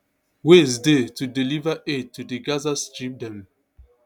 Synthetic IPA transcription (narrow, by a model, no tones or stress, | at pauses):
wesdetudilivaʔed̚tːudiɡazast͡ʃip̚dɛ̃m